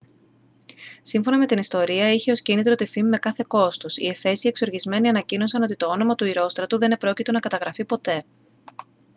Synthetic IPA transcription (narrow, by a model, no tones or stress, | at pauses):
siɱfo̞nɐme̞t̪inist̪o̞ɾiɐiçe̞o̞scinit̪ɾo̞t̪ifimime̞kɐθe̞ko̞st̪osḭe̞fe̞sie̞kso̞ɾʝizme̞niɐnɐcino̞sɐno̞t̪it̪o̞o̞no̞mɐt̪uiɾo̞st̪ɾɐt̪uðe̞nepɾo̞cit̪e̞nɐkɐt̪ɐɣɾɐfipo̞t̪e̞